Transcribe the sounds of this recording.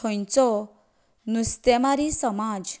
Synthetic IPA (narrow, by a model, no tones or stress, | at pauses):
ɔjnt͡sɔ | nust̪emaɾisɔmad͡ʒ